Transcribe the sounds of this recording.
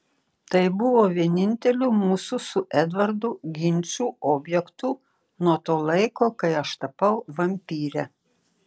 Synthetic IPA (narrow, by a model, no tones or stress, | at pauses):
t̪ɐɪbʊʋoːʋʲiɛnʲɪnʲt̪ʲɛlʲuːmuːsʊsʊʔɛd̪ʋɐɾd̪ʊɡʲɪnʲt͡ʃsʲuːɔːbʲjɛkt̪u | nuɔt̪oːlˠɐɪkoːkɐɪɐʃt̪ɐpɐʊʋɐmʲpʲiːɾʲɛ